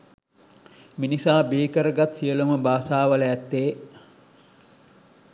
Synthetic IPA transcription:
minisaːbiːkəɾəɡat̪sijəluməbaːsaːʋələæt̪ːeː

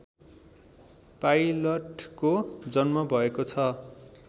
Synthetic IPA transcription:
pajlʌʈkod͡zʌnmʌbʱʌekot͡sʰʌ

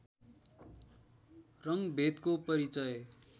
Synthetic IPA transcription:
rʌŋbʱet̪kopʌɾit͡sʌj

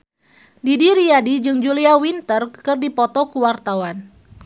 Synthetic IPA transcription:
didiɾiadid͡ʒɨŋd͡ʒuliawint̪ərkɨrdipɔt̪ɔkuwart̪awan

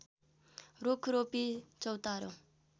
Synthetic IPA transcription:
ɾokʰɾopit͡ʃʌwt̪aɾo

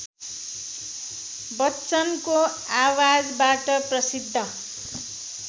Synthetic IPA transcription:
bʌtːt͡sʌnko | awad͡zbaʈʌprʌsid̪ʱːʌ

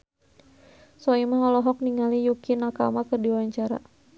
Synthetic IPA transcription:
sɔimaɦɔlɔɦɔk̚niŋalijukinaka̰makərdiwaɲt͡ʃaɾa̰

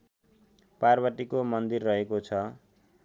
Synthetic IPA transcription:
parbʌʈikomʌnd̪irːʌɦekot͡sʰʌ

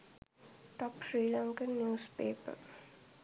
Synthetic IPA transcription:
ʈɔpsɹiːlãŋkə̃nːjuːspḛːpə̰

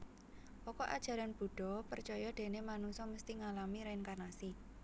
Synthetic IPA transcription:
ʔɔkɔʔa̰d̥ʒ̥a̤ɾanb̥ṳɖ̥ɔ̤pərt͡ʃɔjɔɖ̥e̤nemanuŋsɔməst̪iŋalamiɾaɪnkanasi

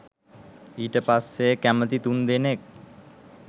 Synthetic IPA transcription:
iːʈəpasːekæmət̪it̪und̪enek̚

